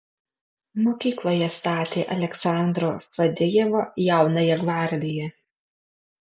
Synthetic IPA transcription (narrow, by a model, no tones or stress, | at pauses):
moːkʲiːklˠoːjɛst̪ɑːt̪ʲeːʔɐlʲɛksɑˑnd̪ɾofɐd̪ʲɪjeːʋoːjɛˑʊnɐjɛɡʋɑɾʲd̪ʲɪjɛ